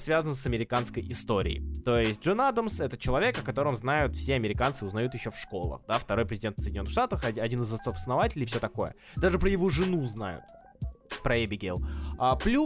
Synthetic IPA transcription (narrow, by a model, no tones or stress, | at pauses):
svʲazənsɐmʲɪɾʲɪkanskəjɪst̪o̞ɾʲɪ̰ɪ̰jt̪o̞jɪsʲt̚ʲʐɨnad̪əmsɛt̪ət͡ɕɪlˠɐvʲekɐkɐt̪o̞ɾəmznajʊt̪fsʲeɐmʲɪɾʲɪkant̪sɨʊznɐjut̪jɪɕːo̞fʂko̞lˠə̰xd̪aft̪ɐɾo̞jpɾɪzʲdʲet̪fsəjdʲɪnʲonəxʂt̪at̪əxɐɐdʲinɨzɐt̪so̞fə̥snɐvatʲɪlʲɪjfsʲɵot̪ɐko̞jə̰ | d̪aʐɨpɾəjɪvoʐɨnuzna̰jʊ̰t̪̚ | pɾəebʲɪɡʲelˠaplʲu